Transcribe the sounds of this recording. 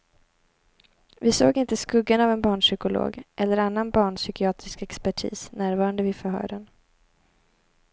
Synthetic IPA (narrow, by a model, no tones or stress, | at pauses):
vɪso̰ːɡɪnt̪əskɵɡːanavɛnbɑːɳʂʏkʊlo̰ːɡʔɛlːəɾanːanbɑːɳsʏkɪɑːt̪ɾɪskɛkspæʈʰḭːsnæːɾvɑːɾand̪əvɪfœɾhœ̰ːɖən